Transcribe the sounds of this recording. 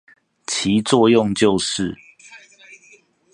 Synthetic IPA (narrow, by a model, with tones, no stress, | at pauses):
t͡ɕʰi˨˦t͡swɔ˥˧jʊ˥˨ŋt͡ɕjo˥˨ʊʂɻ̩˥˨